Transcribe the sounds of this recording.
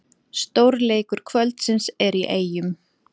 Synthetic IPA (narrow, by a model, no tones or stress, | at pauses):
st̪owɾleːjkʏɾ̥kʰvœlt̪sɪnsɛɾiʔeːjʏm